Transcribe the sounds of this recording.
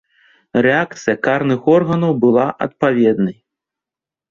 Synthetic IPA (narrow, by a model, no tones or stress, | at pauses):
rɛak̚t̪sɨjɐkarnɨxɔrɣɐnɐwbɨlˠaʔɐ̰t̪̚pavʲɛd̪nɐj